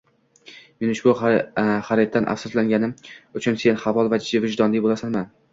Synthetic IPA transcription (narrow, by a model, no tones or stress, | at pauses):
menʊʃbʊχaɾet̪̚ːanʔa̰fsʊslaŋɡʲanɪmʊt͡ʃʰʊnse̞nχavɒlˠvad͡ʒd͡ʒɪvɪd͡ʒd̪ɒnlɪbolˠasanman